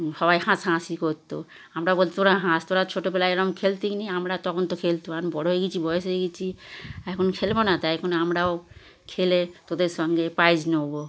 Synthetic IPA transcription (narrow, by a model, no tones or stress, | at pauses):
ʃɔβajhãsɦãsikoɾt̪o | amɾabolt̪oɾaɦãst̪oɾat͡ɕʰoʈopelaeɾɔmkʰelt̪ikniamɾat̪ɔkʰont̪okʰelt̪oanbɔɽoɦeɡit͡ɕʰibɔjeseɡit͡ɕʰiɛkʰonkʰelbonat̪ajkʰonamɾao | kʰelet̪od̪eɾʃɔŋɡepajd͡ʑnobo